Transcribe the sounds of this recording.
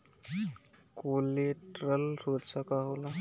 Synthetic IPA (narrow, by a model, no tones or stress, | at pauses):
koleʈɾəlɾoɾsəkaɦola